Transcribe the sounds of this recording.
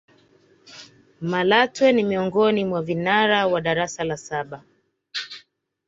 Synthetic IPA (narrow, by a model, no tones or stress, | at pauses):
malatwɛnimiɔŋɡɔnimwavinaɾawaɗaɾasalasaɓa